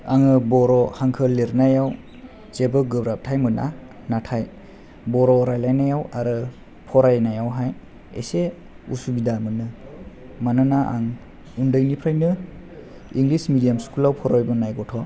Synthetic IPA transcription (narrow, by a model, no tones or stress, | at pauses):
aŋɯbɔɾɔhaŋkʰɯleɾnajaw | t͡ʃebɯɡɯbɾap̚tʰajmɯna̰ | natʰaj | bɔɾɔɾajlajnajawaɾɯ | pʰɔɾajnajawɦaj | ḛse | usubidamɯnɯ | manɯnaʔa̰ŋ | undɯjnipʰɾajnɯ | iŋɡlismidijamskulawpʰɔɾɔjbɯnajɡɔtʰɔ